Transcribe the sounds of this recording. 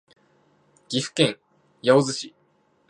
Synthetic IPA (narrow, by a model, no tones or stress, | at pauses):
ɡ̥ʲiɸɯ̟̥kẽŋ̃ | jaozɨɕi